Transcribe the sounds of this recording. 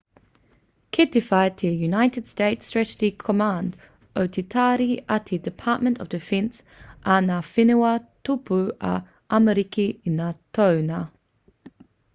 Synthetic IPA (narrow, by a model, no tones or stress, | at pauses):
kʰɪdɪfaɪt̪ʰəjunaɪtɪd̥steɪtstɹ̥ætəd͡ʒikʰəmãnd | ʔəʊtʰitʰaɾiʔat̪ʰidɪpʰɑˑʔ̚mə̃ntəvdɪfɛ̃ns | ʔanafɪnuatʰupuʔa̰ | ʔaməɾikiɪnːatʰoʊna